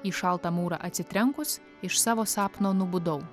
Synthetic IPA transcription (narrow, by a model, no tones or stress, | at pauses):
iːʃɐlˠt̪ɑmuːɾɑ̰ʔɐt̪ʲsʲɪt̪ʲɾʲɛŋkʊs | ɪʃsɑːʋoːsɑːpnoːnʊbʊd̪ɐʊ